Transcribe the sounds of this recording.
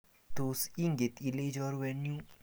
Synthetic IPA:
d̪̥osiŋɡet̪iled͡ʒɔɾwɛnju

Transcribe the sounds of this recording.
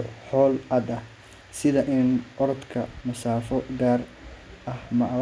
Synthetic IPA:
ħɔːlɐd̪ɐ | sɪðɐʔɪnʔɔɾɔd̪kʰɐmɐsaːfɔɡaːr | ʔɐhmɐʔ

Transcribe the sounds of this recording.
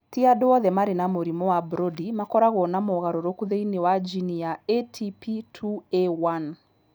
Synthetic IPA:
tiadoɔðɛmaɾenamoɾimɔwabɾodimakɔɾaɣɔnamɔɣaɾɔɾokuðeinewad͡ʒinijaetʰipitʰuewan

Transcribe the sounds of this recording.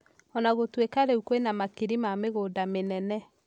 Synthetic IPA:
ɔnaɣotwekaɾeukwenamakiɾimameɣoːdamenɛnɛ

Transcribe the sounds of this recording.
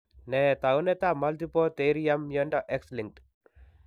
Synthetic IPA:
nɛt̪aunet̪amalt̪ipɔt̪eɾiamːjɔndɔʔɛksliŋ̚t

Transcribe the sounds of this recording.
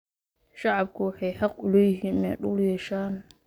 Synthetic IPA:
ʃɑʕɑbkʰʊwɑħɑjħɑqʊlɔjɪɦiːnɛ̰ɗʊljɛːʃaːn

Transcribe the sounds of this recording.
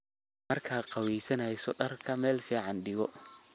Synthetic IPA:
mɐrkʰaːqɑwɛjsɐnɐjsɔɖɐrkʰɐmɛːlfiːʕɑnɖɪɣɔ

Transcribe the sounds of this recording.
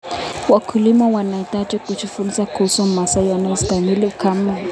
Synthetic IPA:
wakʰulimawanaitad͡ʒɛkut͡ʃufunisakʰusɔm̩masajanɔistamilikʰama

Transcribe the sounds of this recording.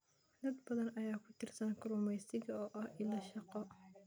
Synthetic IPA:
d̪ɐd̪bɐðɐnɐjaːkʰʊt̪ʰɪrsɐnkʰʊɾʊmɛjsɪɣɐɔːʔɐhʔɪlɐʃɑqɔ

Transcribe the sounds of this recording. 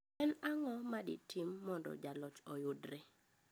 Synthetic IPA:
ɛnaŋɔmadɪ̰timːɔndɔ̰d͡ʒalɔt͡ʃɔjʊdɾɛ

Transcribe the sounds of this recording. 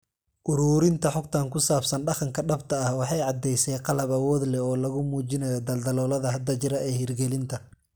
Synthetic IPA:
ʔʊɾuːɾɪnt̪ʰɐħʊɡt̪ʰaːŋkʰʊsaːbsɐnɖɑqɑŋkʰɐɖɐbt̪ʰɐːhwɑħɑjʕɑd̪ɛjsɛːqɑlɐbɐwɔːd̪lɛɔːlɐɣʊmuːt͡ʃɪnɐjɔd̪ɐld̪ɐlɔːlɐðɐɦɐd̪ɐt͡ʃɪɾɐɛːhirɡɛlɪnt̪ʰɐ

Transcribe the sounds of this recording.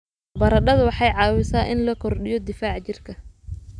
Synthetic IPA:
bɐɾɐɖɐðwɑħɑjʕɑːwɪsaːʔɪnlɐkʰɔrɖɪjɔd̪ɪfaːʕt͡ʃɪrkʰɐ

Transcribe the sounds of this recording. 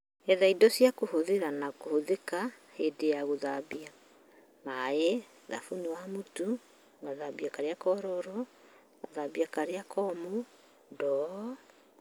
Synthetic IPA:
ɛðaidɔsiakohoðeɾanakohoðeka | hedejaɣoðabia | mae | ða̰funewamutu | ŋɡaðabiakaɾeakɔɾɔɾɔ | ŋaðabiakaɾeakɔmo | dɔ

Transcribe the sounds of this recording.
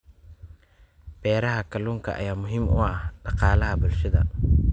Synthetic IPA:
b̥ɛːɾɐɦɐkʰɐluːŋkʰɐʔɐ̰jaːmʊɦiːmʊ̰ɐhɖ̥ɑqɑːlɐɦɐbʊlʃɐðɐ̰

